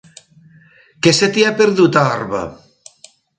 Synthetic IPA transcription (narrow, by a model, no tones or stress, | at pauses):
keset̪iapeɾðut̪aɔɾβa̰